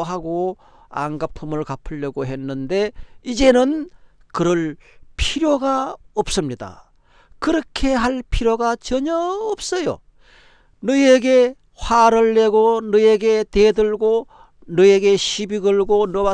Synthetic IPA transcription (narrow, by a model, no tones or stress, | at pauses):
ɦaɡo | a̰ŋɡapʰɯmɯɭkapʰɯʎːʌɡoɦe̞nːɯnde̞id͡ʑe̞nɯn | kɯɾʌɭpʰiɾjoɡaʌp̚s͈ɯmɲida̰ | kɯɾʌkʰe̞ɦaɭpʰiɾjoɡat͡ɕʌɲʌːp̚s͈ʌjo̰ | nɯe̞ɡe̞ | ɸwaɾɯɭːe̞ɡonɯe̞ɡe̞tedɯɭɡo | nɯe̞ɡe̞ɕʰibiɡɯɭɡonʌwa